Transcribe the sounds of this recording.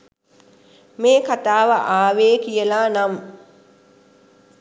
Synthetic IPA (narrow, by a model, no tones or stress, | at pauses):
meːkat̪aːʋəʔaːʋeːkijəlaːnam